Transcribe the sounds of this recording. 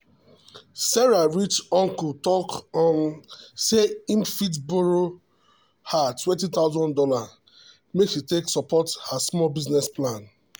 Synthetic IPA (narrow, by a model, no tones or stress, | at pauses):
sɛɹaɹit͡ʃɔ̃ŋkɔtɔkɔ̃nseĩmfit̬boɹo | hatwɛ̃ntit̪aʊzɔ̃ndɔla | mekʃiteksɔpɔthasmɔlbiznɛsplãn